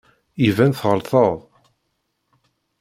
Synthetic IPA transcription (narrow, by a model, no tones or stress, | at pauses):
ivænθʁəɾθəðˤ